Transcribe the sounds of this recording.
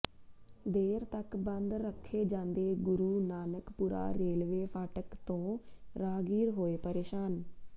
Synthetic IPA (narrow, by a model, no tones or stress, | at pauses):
d̪eːɾt̪əkbənd̪ɾəkʰːeːd͡ʒãːnd̪eːɡʊɾuːnaːnəkpuːɾa̰ːɾeːlʋeːpʰaːʈəkt̪õːɾaːɡiːɾɦoːeːpəɾeːʃaːn